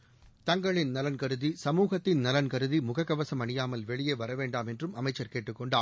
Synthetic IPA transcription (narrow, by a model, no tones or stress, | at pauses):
t̪ɐŋɡɐɭɪnnɐlɐnkɐɾɯðisɐmuːɣɐt̪ːɪnnɐlɐnkɐɾɯðimʊɣɐkːɐʋɐsɐmɐɳɪjaːmɐlʋɛɭɪjeːʋɐɾɐʋeːɳɖaːmɛndrɯmɐmɐɪt͡ʃːɐɾkeːʈːɯkːɔɳɖaː